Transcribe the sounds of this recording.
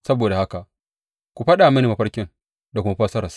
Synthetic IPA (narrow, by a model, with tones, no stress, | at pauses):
sɐ˦boː˨da˨ha˦ka˨ʔ | kʷu˨ɸɐ˦ɗaː˨mɐ˦ni˨ma˨ɸɐ˦rkʲɪ˦ŋ | da˨kʷʊ˦ma˦ɸɐ˦sɐ˦ɾɐ˨s